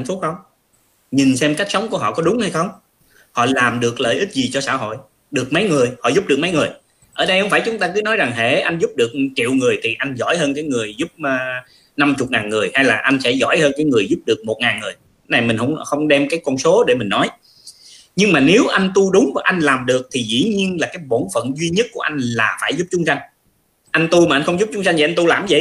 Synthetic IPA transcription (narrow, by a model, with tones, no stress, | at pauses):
nfu˦˥t̚xə˧wŋ͡m | ɲi˨˩nsɛ˧mka˦˥k̚sə˨˦wŋ͡mku˧˩əɦɔ̰˧˨˩kɔ˨˦ɗʊ˨˦ŋ͡mha˧jxə˧wŋ͡m | hɔ̰˧˨laː˨˩mɗɨ˨˩ək̚lə̰ː˧˨jʔï˦˥t̚zi˨˩t͡ɕɔ˧sa̰ː˧˩ɦo̰˧˨j | ɗɨ˨˩ək̚mə˨˦jŋɨ˨˩əjhɔ̰˧˨zʊ˦˥p̚ɗəkmə˨˦jŋɨ˨˩əj | ʔəː˧˩ɗə˧jhə˧wŋ͡mfaː˧˩jt͡ɕʊ˨˦ŋ͡mt̪aː˧kɨ˨˦nɔ˨˦jza˨˩ŋɦḛ˧˩ʔa˧jŋ̟zʊ˦˥p̚ɗɨ˨˩ək̚t͡ɕḭ˧˨wŋɨ˨˩əjt̪ʰi˨˩ʔa˧jŋ̟zɔ̰˧˩jhəː˧nkaː˨˦jŋɨ˨˩əjzʊ˦˥p̚ː | na˧mt͡ɕʊ˨˩k͡p̚ŋaː˨˩nŋɨ˨˩əjha˧jlaː˨˩ʔa˧ŋ̟sɛ̰˧˥zɔ̰˧˩jhəː˧nkaː˨˦jŋɨ˨˩əjzʊ˦˥p̚ɗɨ˨˩ək̚mo˨˩t̚ŋaː˨˩nŋɨ˨˩əj | na˨˩jmï˨˩ŋ̟hə̰˧˩wŋ͡mxə˧wŋ͡mɗɛ˧mkaː˨˦jkɔ˧nso˨˦ɗe˧˩mï˨˩ŋ̟nɔ˨˦j | ɲɨ˧ŋmaː˨˩ne˨˦wʔa˧jŋ̟t̪u˧ɗʊ˨˦ŋ͡mʔa˧jŋ̟laː˨˩mɗɨ˨˩ək̚t̪ʰi˨˩zḭ˧˥ɲi˧ənlaː˨˩kaː˨˦jɓo˧˩nfə̰˧˨nzwi˧ɲə˦˥t̚ku˧˩əʔa˧jŋ̟laː˨˩faː˧˩jzʊ˦˥p̚t͡ɕʊ˨˦ŋ͡msa˧jŋ̟ | ʔa˧ŋ̟t̪u˧ma˨˩ʔa˧nxə˧wŋ͡mzʊ˦˥p̚t͡ɕʊ˨˦ŋ͡msa˧jt̪ʰi˨˩ʔn̟t̪u˧laː˨˩mzḭ˧˩